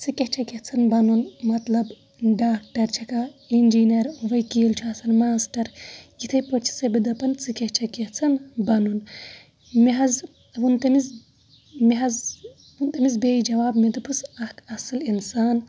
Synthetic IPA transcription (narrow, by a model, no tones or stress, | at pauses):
t͡sɨkʲet͡ʃʰɐkʲet͡sʰɐnbɐnunmɐt̪lɐb | ɖaːk̚ʈɐɾt͡ʃʰɐkaind͡ʒiːnɐɾuʋɐjkiːlt͡ʃʰaːt͡sɐnmaːsʈɐɾjit̪ʰɐjpot͡ʃʰi̥sɐbid̪ɐpɐnt͡sɨkeht͡ʃʰɐket͡sʰɐnbɐnun | miɦɐz | ʋunt̪ɐmiz | miɦɐz | unt̪ɐmizbeːjd͡ʒɐʋaːbmid̪upʰusɐkʰɐsɨlinsaːn